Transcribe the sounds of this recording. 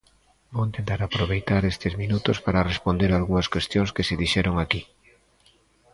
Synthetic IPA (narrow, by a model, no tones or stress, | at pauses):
boẽnt̪ent̪aɾapɾoβejt̪aɾest̪ɪzminut̪ospaɾarespond̪eɾaːlɣuŋɐskwest̪joŋskeseðiʃɛɾoŋaki